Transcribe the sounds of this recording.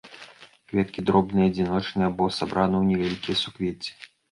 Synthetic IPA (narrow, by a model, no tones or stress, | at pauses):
kvʲɛt̪̚kʲid̪ɾɔbnɨjɐd͡zʲinɔt͡ʂnɨjɐbɔsabɾanɨwnʲɛvʲalʲikʲijɐsukvʲet͡sʲɛ̥